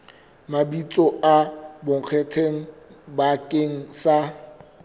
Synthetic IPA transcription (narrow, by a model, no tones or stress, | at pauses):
mabit͡sʼɔabʊŋ̩q͡χʰɛtʰeŋ̩bakʼeŋ̩sa